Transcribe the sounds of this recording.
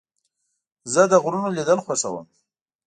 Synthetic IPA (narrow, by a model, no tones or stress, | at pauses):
zəd̪əɣɾunolid̪əlxwasa̰wə̰m